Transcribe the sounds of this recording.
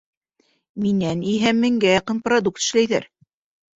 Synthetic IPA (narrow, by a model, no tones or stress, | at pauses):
minæniɦæmːɘ̆ŋɡæjɑqɤ̆nprɐd̪uk̚t̪ɘ̥̆ʃlæjðæ̰ɾ